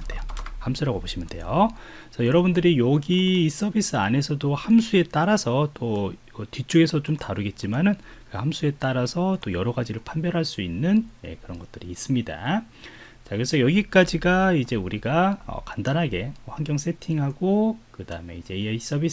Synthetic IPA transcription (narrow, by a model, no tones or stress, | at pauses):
dejohamsʰuɾaɡoboɕʰimɯnde̞̰jo | sʰʌjʌɾʌbundɯɾijʌɡiːs͈ʌbis͈ʰɯa̰ne̞sʰʌdohamsʰue̞t͈aɾasʰʌt͈o | ʌtit͡ɕ͈ʰuɡe̞sʰʌt͡ɕomtaɾɯɡe̞t̚t͡ɕ͈imanɯnkɯhamsʰue̞t͈aɾasʰʌt͈ojʌɾʌɡad͡ʑiɾɯɭpʰanbjʌɾɦaɭs͈uinːɯnje̞̰kɯɾʌnɡʌt͈̚ɯɾiːs͈ɯmɲida̰ | t͡ɕakɯes͈ʰʌjʌɡik͈ad͡ʑiɡaid͡ʑe̞uɾiɡaʌ̰kandanɦaɡe̞ɸwaŋɡjʌŋs͈ʰe̞tʰiŋɦaɡokɯda̰ɯme̞̰id͡ʑe̞is͈ʌbis